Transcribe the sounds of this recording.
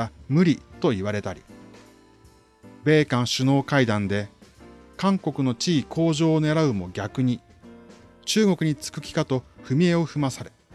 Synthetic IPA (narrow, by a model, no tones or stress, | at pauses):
amɯ̟ɾʲit̪o̞iβaɾe̞t̪aɾʲḭ | be̞ːkãɰ̃ɕɨno̞ːkaid̪ãnd̪e̞ | kãŋko̞kɯ̟no̞t͡ɕiːkʰo̞ːʑo̞ːne̞ɾaɯ̟mo̞ɡʲakɯ̟ɲ̟i | t͡ɕɨːɡo̞kɯ̟ɲ̟it͡sɨ̥kɯ̟kʲi̥kat̪o̞ɸɯ̟mʲie̞o̞ɸɯ̟masaɾe̞